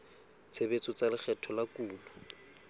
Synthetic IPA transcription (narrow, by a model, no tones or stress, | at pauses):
t͡sʰebet͡sɔt͡salɪk͡xʰɛtʰɔlakuːlɔ